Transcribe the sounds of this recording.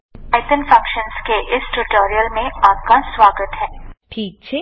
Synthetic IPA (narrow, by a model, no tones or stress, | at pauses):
aɪt̪ənfɐ̃ŋkʃənskeʔɪsʈuʈoːɾiəlmẽaːp̚kaswaːɡət̪ɦɛːʈʰiːk̚t͡ʃʰeː